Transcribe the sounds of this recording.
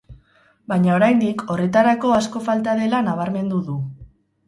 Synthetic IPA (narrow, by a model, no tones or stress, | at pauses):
bajɲao̞ɾajnd̪iko̞re̞t̪aɾako̞asko̞falt̪aðe̞lanaβ̞aɾme̞nd̪uðu